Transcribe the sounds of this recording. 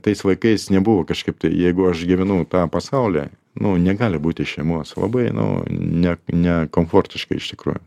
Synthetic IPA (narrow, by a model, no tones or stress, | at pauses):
t̪ɐɪsʋɐɪkɐɪsnʲɛbʊʋoːkɐʃkɐɪp̚t̪ɐɪjɛɪɡʊɐʃɡʲɪʋʲɪnɐʊt̪ɑːpɐsɐʊlʲɛ̰ | nʊnʲɛɡɑːlʲɪbuːt̪ʲɪʃʲɛɪmoɔslˠɐ̰bɐɪnʊ̰nʲɛnʲɛkoːmfoːrʲt̪ʲɪʃkɐɪɪʃt̪ʲɪkɾṵːjʊ